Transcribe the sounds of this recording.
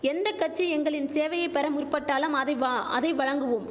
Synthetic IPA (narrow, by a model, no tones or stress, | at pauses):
ɛnd̪ɐkːɐʈ̚t͡ʃːiɛŋɡɐɭɪnseːʋɐjɐɪpːɐɾɐmʊrpːɐʈːaːlɐmɐðɐɪɐðɐɪʋɐɻɐŋɡɯʋɯm